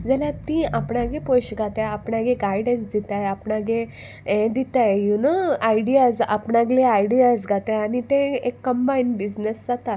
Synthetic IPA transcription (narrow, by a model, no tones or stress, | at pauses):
d͡zaljat̪ĩapɳãɡẽpojɕɡʱat̪aapɳãɡeɡajɽẽnsd̪it̪ajapɳaɡe | ɛ̃d̪it̪ajjunəajɽijad͡za̰pɳaɡleajɽiazɡʱat̪aañit̪ẽekːəmbainbid͡znəsd͡zat̪a